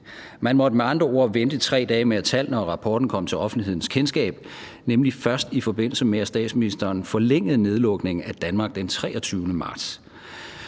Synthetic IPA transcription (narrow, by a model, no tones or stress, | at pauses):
mænmɒ̽d̥əmeɑ̈nd̥ʁɐo̝ɐ̰ʋend̥əit͡sʰʁɛ̰ːd̥ɛːmeæt͡sʰæl̰nɒʁɑ̈pʰɒːd̥n̩kʰɒ̽m̰t͡sʰe̝lɒ̽fn̩d̥liɦe̝ð̰ˠn̩skʰensɡ̥ɛ̰ːb̥ | nemlifɶɐsd̥ifɒ̽b̥e̝n̰l̩səmeæsd̥ɛ̰ːd̥sminisd̥ɐːnfɒ̽leŋ̰ð̞̩ˠne̝ð̞ˠlɔ̽ɡ̥ne̝ŋ̩æd̥ænmɑ̈ːɡ̥̚d̥ent͡sʰʁɛːɒt͡sʰyːʊnəmɑ̈ːd̥s